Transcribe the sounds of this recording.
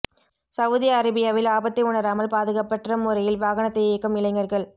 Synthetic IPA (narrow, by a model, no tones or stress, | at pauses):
sɐʋðɪjɐɐɾɪbɪjɐʋɪlaːbɐt̪ːɪʊnɐɾaːmɐlpaːðɯɣɐpːɐʈrɐmʊɾɐjɪlʋaːɣɐnɐt̪ːɐjeːkːɯmɪlɐɪŋɡɐɾɣɐɭ